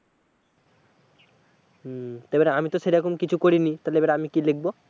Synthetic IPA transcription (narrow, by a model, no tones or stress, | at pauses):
t̪ejbaɾeamit̪oʃeɾɛkomkit͡ɕʰukoɾinit̪ajlebaɾaamikilek̚ʰbo